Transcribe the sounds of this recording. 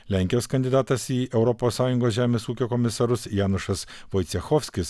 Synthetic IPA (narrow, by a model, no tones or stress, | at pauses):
lʲæˑŋʲkʲɪjoːskɐnd̪ʲɪd̪ɑːt̪ɐsiːʔɛʊɾɔpoːsːɑːjʊŋɡoːsʒʲæːmʲeːsuːkʲoːkɔmʲɪsɐɾʊsjæːnʊʃɐs | ʋɔjt̪sʲɛxɔːfʲsʲkʲɪs